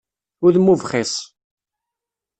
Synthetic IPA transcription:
ʊɾðmuvχisˤ

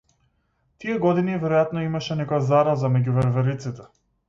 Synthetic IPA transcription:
t̪ijɛɡɔd̪inivɛɾɔjat̪nɔimaʃɛnɛkɔjazaɾazamɛɟuvɛɾvɛɾit̪sit̪ɛ

